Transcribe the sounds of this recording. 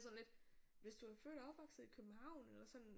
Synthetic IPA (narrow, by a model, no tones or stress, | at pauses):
sɒ̽nle̝d̥ʋe̝sd̥uæɐfø̰ːdɒ̽b̥ʋɒɡ̥sð̩ˠikʰøb̥m̩hɑ̈ʊ̰nelɐsɒ̽n̰